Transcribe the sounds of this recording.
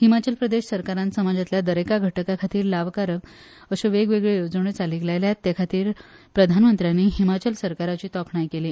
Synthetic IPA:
himat͡ɕəlpɾəd̪eɕsəɾkaɾãnt̪səmad͡zat̪ljad̪əɾekaɡʱəʈəkakʰat̪iːɾlaʋkaɾək | əɕeʋeɡʋeɡɭejod͡zɳ̃et͡saliːklajljat̪ːakʰat̪iːɾ | pɾəd̪ʱanmənt̪ɾjanːiːɦimat͡ɕəlsəɾkaɾat͡ɕiːt̪ɔkɳajkeliː

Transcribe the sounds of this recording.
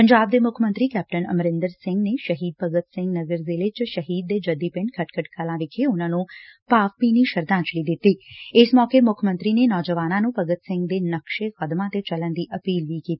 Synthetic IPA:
pəɲd͡ʒaːb̚d̪eːmʊkʰmənt̪ɾiːkɛːp̚ʈənə̰mɾɪ̃nd̪əɾsɪ̃ŋɡneʃəɦiːd̪̚pəɡət̪sɪ̃ŋɡnəɡəɾzilet͡ʃʃəɦiːd̪̚ːeːd͡ʒəd̪iːpɪ̃ɳɖkʰəʈkʰəʈkʰəlãːʋɪkʰeʊnãːnũːpaːʋpiːniʃəɾd̪ãːt͡ʃliːd̪ɪt̪ːiːɪsmɔːkemʊkʰmə̃nt̪ɾinenɔːd͡ʒəʋaːnãːnũːpəɡət̪sɪ̃ŋɡ̚d̪eːnəkʃeːxəd̪mãːt̪et͡ʃələnd̪iːʔəpiːlʋikiːt̪i

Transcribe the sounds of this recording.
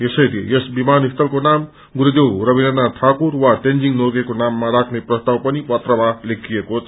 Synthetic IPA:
jesʌjlḛjesbimanist̪ʌlkonam | ɡuɾud̪ewrʌbinʌnːaʈʰakurwaʈend͡ziŋnoɡekonamːaɾakʰneprʌst̪awpʌnipʌt̪rʌbʱalekʰijekot͡sʰ

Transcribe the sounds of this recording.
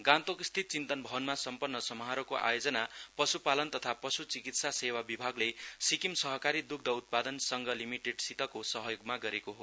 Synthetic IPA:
ɡãnt̪okist̪ʰit̪̚t͡sint̪ʌnbʱʌbʌnmasʌmpʌnːʌsʌmʌɦaɾokoʔa̰jod͡zʌnapʌsupalʌnt̪ʌt̪ʰapʌsut͡sikit̪sasewabibʱaɡlesikimsʌɦʌkaɾid̪uk̚d̪ʌut̪̚pad̪ʌnsʌŋɡʌlimiʈeɖsit̪ʌkosʌɦʌjoɡmaɡʌɾekoɦo

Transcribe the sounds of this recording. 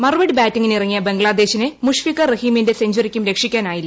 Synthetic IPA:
mɐrʋɐɽɨbaːtːiŋːinirɐŋːijɐbe̞ŋɡɭaːd̪e̞ːɕinɨmuʂfikːɐrɐhiːminde̞seɲd͡ʑurikʲːumɾe̞kʂikʲːaːnaːjilːɐ

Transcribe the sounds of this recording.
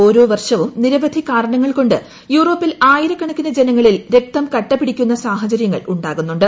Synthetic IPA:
o̞ːɾo̞ːʋɐrʂɐʋumniɾɐʋɐd̪ʱikaːɾɐɳɐŋːɐɭko̞ɳɖɨ | juːro̞ːpːilaːjiɾɐkːɐɳɐkʲːinɐd͡ʑenɐŋːɐɭilɾe̞k̚t̪ɐmkɐʈːɐpːiɽikʲːunːɐsaːɦɐt͡ɕɐɾjɐŋːɐ̰ɭuɳɖaːɣunːuɳɖɨ

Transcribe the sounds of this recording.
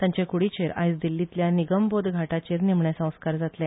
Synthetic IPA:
t̪jãɲt͡ɕekuɽit͡ɕeɾa̰jsd̪ilːit̪ljaniɡəmbod̪ɡʱaʈat͡ɕeɾnim̤ɳjasə̃w̃skaɾd͡zat̪lɛ̃

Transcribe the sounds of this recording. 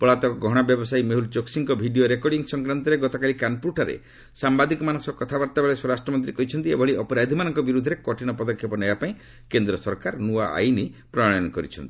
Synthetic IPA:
pɔɭat̪ɔɔɡʱɔɽ̃abjɔbɔsajmeɦult͡ʃoksiŋkɔbʱiɖijoɾekɔɽiŋsɔŋkɾant̪ɔɾeɡɔt̪ɔkalikanpuʈaɾḛ | sambad̪ikɔmanɔsɔkɔt̪ʰabaɾt̪abeɭeswɔɾasʈɾɔmɔnt̪ɾikɔɦit͡ʃʰɔnt̪iḛbʱɔɭiʔɔpɔɾad̪ʱimanɔŋkɔbiɾud̪ʱːɔɾekɔʈinɔpɔd̪ɔkʰjɔpɔnebapaĩ | kend̪ɾɔsɔɾkaɾnuaʔa̰jnipɾɔɽ̃ɔnɔkɔɾḭt͡ʃʰɔnt̪i̥

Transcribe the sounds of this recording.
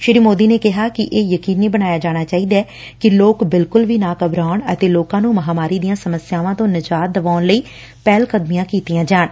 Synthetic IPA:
ʃɪɾiːmoːd̪iːneːkɪɦaːkɪʔeːjəkiːnːiːbənaːjaːd͡ʒaːɽ̃aːt͡ʃaːiːd̪ɛː | kɪloːkbɪlkʊlʋiːnaːkəbɾaːʊɳə̰t̪eːloːkãːnũːməɦaːmaːɾiːd̪ijãːsəməsɪjaːʋãːt̪õːnɪd͡ʒaːt̪̚d̪əʋaːnləiː | pɛːlkəd̪mijãːkiːt̪ijãːd͡ʒaːɳ

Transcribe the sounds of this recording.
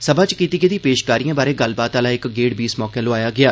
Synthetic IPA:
sɐbʱãt͡ʃkiːt̪iɡed̪ipeːʃkaːɾijãːbaːɾeɡəlbaːt̪aːlaɪkɡeːɽbiːsmɔːkẽloaːjaːɡɪaː

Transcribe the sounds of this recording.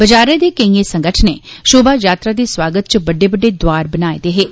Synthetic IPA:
bəd͡ʒaːɾẽːd̪eːkəĩeːsə̃ŋɡəʈʰneːʃoːbaːjaːt̪ɾaːd̪eːswaːɡət̪̚t͡ʃəbəɖeːbəɖeːd̪ʊaːɾbənaːḛd̪eːɦeː

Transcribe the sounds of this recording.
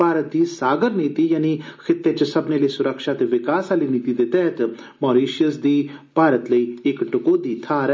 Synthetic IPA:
aːɾət̪̚d̪iːsaːɡəɾniːt̪iːjaːnikʰɪt̪ːeːt͡ʃəsəbneːləiːsʊɾəkʃaːt̪eʋɪkaːsaːliːniːt̪iːd̪eːt̪ɛːt̪ | mɔːɾiːʃəsd̪iːpaːɾət̪ləiːɪkɖʊkoːd̪iːt̪ʰaːɾ

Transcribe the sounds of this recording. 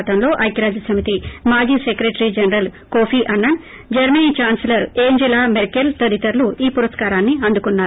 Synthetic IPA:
t̪ɐmlo̞ːʔɐjkɐɾaːd͡ʒɐsɐmit̪imaːd͡ʒiːsekɾeʈɐɾid͡ʒɐnɐɾɐlkoːpʰiʔɐnːɐn | d͡ʒɐɾmɐniːt͡ʃaːnslɐɾeːɲd͡ʒilaːmeɾkelt̪ɐɾit̪ɐɾluiːpuɾɐskaːɾaːnːiɐnd̪ukunːaː

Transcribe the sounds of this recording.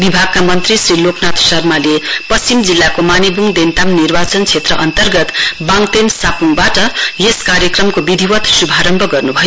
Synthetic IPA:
bibʱaɡ̚kamʌnt̪risriloknat̪sʌrmalepʌst͡simd͡zilːakomanibʱuŋd̪ent̪amnirbat͡sʌnt͡sʰet̪rʌʔʌnt̪ʌrɡʌt̪baŋt̪ensapuŋbaʈʌjeskaɾjʌkrʌmkobid̪ʱiwʌt̪subʱaɾʌmbʱʌɡʌrnubʱʌj

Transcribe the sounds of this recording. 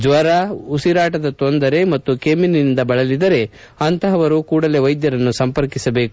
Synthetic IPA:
d͡ʒʋɐɾausiɾaːʈɐd̪ɐt̪ond̪ɐɾe̞mɐt̪ːukeːminind̪ɐbɐɭɐlid̪ɐɾe̞ | ɐnt̪ɐɦɐʋɐɾukuːɽɐle̞ʋɐjd̪jɐɾɐnːusɐmpɐɾkisɐbe̞ːku

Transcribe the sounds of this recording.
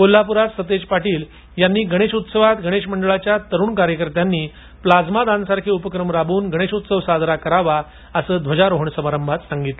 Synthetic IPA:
kolːapuɾat̪sət̪ed͡ʑpaʈiːl | janːiːɡəɽ̃eɕut̪səʋat̪ɡʱəɽ̃eɕməɳɖəɭat͡ɕjat̪əɾuːɳkaɾjəkəɾt̪janːiː | plad͡zmad̪ãnsaɾkʰiːupəkɾəmɾabuːnɡʱəɽ̃eɕut̪səʋsad̪ʱɾakəɾaʋa | əsəːd̪ʋəd͡ʑaɾoɦəɳsəmaɾəmbʱat̪saŋɡit̪lə

